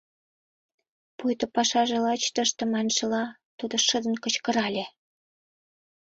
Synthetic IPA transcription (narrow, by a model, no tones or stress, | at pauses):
pujt̪opɑʃɑʒelɑt͡ɕt̪ə̆ʃt̪ə̆mɑnʃə̆lɑ | t̪ud̪ŏʃəd̪ə̆nkə̆t͡ɕkə̆ɾɑlʲe